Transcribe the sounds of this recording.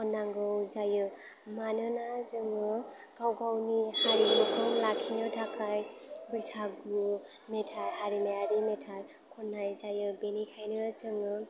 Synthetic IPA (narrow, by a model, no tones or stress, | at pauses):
kʰɔnːaŋɡɯwzajɯ | manɯnazɯŋɯ | ɡ̥awɡawnihaɾimukʰɯŋlakʰinɯtʰakʰajbujsʰaɡu | metʰajhaɾimeaɾimetʰaj | kʰɔnːajzajɯbenikʰajnɯt͡ʃɯŋɯ